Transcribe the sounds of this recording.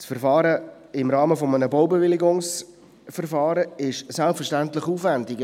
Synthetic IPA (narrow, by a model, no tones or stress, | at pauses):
sfɛɾfɑːɾə | ɪmɾɑːməfomənəbowbevɪlɪɡʊŋs | fɛɾfɑːɾəɪʃsɛlpfərʃtæntlɪχuːfvændɪɡ